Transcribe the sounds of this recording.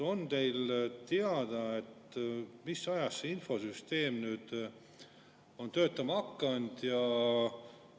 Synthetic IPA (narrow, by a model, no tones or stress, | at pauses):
o̞nt̪e̞jlt̪eɑd̪̥ɑe̞t̪misːɑjɑsːeinfo̞syst̪e̞ːmnyːd̪̥ | o̞nt̪ø̞ːt̪ːˑɑmɑkːɑnd̪̥jɑ